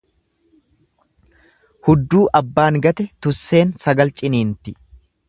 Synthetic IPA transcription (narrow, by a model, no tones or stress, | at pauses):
hʊd̪ːuːʔɐbːaːŋɡɐt̪ɛt̪ʊsːe̞ːnsɐɡɐlt͡ʃʼɪniːnt̪ɪ